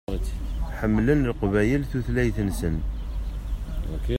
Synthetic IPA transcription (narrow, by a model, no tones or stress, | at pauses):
ħəmːlənlqvæjəlθuθlæjθənsən